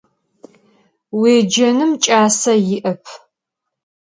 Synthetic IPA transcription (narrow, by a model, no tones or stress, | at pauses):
weːd͡ʒɐnɨmt͡ʃʼaːsɐjɪʔɐpʰ